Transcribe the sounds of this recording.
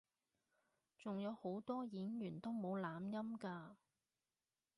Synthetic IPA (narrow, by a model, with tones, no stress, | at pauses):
t͡sʊ˨ŋjɐ˨˧who˨˥wt̪ɔː˥jiː˨˥njyː˨˩nt̪o˥wmo˨˧wlaː˨˧˥mjɐ˥mkaː˧